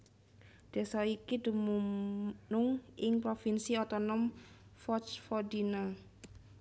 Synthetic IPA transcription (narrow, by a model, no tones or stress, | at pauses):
d̪̥a̤saikidumunʊŋʔɪŋpɾofinsiɔt̪ɔnɔm | fɔt͡ʃfɔdina